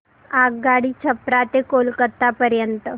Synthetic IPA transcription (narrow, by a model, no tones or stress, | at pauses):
aɡ̚ɡaɽiːt͡ɕʰəpɾat̪ekolkət̪ːapəɾjənt̪ə